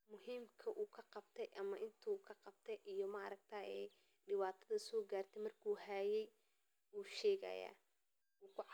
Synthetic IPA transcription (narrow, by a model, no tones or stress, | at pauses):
mʊɦiːmkʰɐʔuːkʰɐqɑbt̪ʰɛjʔɐmɐʔɪnt̪ʰukʰɐqɑbt̪ʰɛjʔijɞmɐɐɾɐɡ̚t̪ʰaːjɛː | ɖɪwaːt̪ʰɐðɐsɔːɡaːrt̪ʰɛjmɐrkʰuːɦaːjɛj | uːʃɛːɣɐ̰ja̰ː | uːkʰʊ